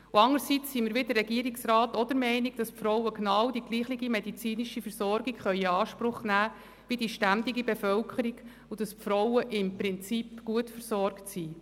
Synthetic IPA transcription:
uɑŋəɾsit͡sːiːmiːɾʋɪdərːɛɡiəɾiksrɑːtɔd̥̪əɾmɛɪnɪɡ̚d̥ɑspfɾɔwəknɑːwd̥iɡ̥liːχlɪɡimedit͡siːniʃifəɾsɔɾɡikχœʏəɑːʃpɾʊχnæː | ʋidiʃtænd̪iɡibefœlkʰəɾiɡ | ud̥ɑspfɾɔwəʔɪmpɾɪnt͡sipɡ̥uətfəɾsɔrktsiː

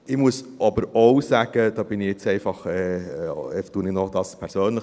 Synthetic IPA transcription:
ɪmuəsɑbəɾowsæːɡ̥əd̥̪ɑːb̥ɪnɪjɪt͡sɛɪfɑχɛ | ɛtuənɪnɔχd̥̪ɑːspʰɛɾsøːnlə

